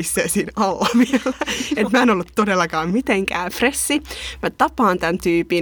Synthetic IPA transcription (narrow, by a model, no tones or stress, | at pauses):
isːeːsiːnɑlːɑʋiɛlːæet̪mæenolːut̪ːodelːɑkɑːmmit̪eŋkæ̰ːfresːimæt̪ɑpɑːnt̪ænt̪yːpi